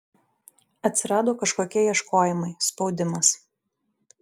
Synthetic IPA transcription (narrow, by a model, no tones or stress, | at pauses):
ɐt̪ʲsʲɪɾɑːd̪oːkɐʃkoːkʲɛjiɛʃkoːjɪmɐɪspɔʊd̪ʲɪmɐs